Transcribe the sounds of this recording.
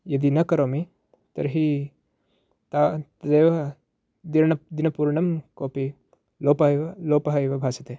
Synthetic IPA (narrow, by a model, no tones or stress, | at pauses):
jɐd̪inɐkɐɾoːmi | t̪ɐ̰ɾɦi | t̪at̪ɐd̪eːʋɐ | d̪iɾɳɐd̪inɐpuːɾɳɐmkoːpi | loːpɐloːpɐɦɐjʋɐbʱaːsit̪eː